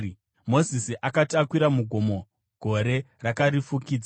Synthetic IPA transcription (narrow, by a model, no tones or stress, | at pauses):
mo̞zisiʔakatiakwiɾamuɡʱo̞mo̞ | ɡ̥ʱo̞ɾe̞ | rakaɾifukiːd͡za